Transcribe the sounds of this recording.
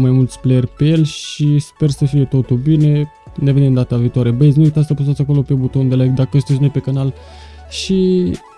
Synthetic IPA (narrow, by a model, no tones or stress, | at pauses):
majmult̪sʲpleerʲpe̞je̞lʲʃispe̞rsəfije̞t̪o̞t̪ulbine̞ | ne̞venemd̪at̪aviːt̪oaɾe̞bəjz̬niit̪ast̪apusat̪sʲako̞lo̞pe̞but̪o̞nd̪elaekd̪akəst̪et͡ʃnepe̞kanal | ʃi